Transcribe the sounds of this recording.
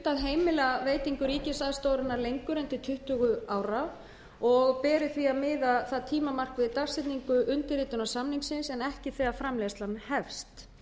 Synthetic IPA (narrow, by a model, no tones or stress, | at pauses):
t̪aðɦeːjmɪlaveːjt̪iŋkʏɾiːcɪsaðst̪oːwɾɪnːaɾlejŋkʏɾɛnt̪ɪt̪ʰʏht̪ʏɣʏaːwɾa | ɔɣpɛːɾɪθviaðmɪːðaθaðt̪ʰiːmamar̥kvɪðt̪ar̥sɪt̪niŋkʏʔʏnt̪ɪɾiːt̪ʏnasamniŋsɪnsɛnɛhcɪθɛːɣafɾamlɛst̪lanhɛfst̪